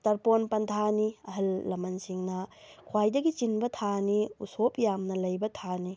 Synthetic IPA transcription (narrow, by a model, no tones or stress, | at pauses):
tɐɾponpɐntʰaniɐɦɐlːɐmɐnsiŋnɐ | kʰwajdɐɡit͡ʃinbɐtʰaniusopjamnɐlɐjbɐtʰani